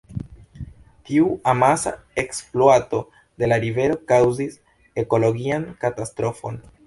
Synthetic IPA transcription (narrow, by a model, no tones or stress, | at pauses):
tiuamasa̰eksploato̞ | de̞laɾive̞ɾo̞kawzis | e̞ko̞lo̞ɡiankatastɾo̞fo̞n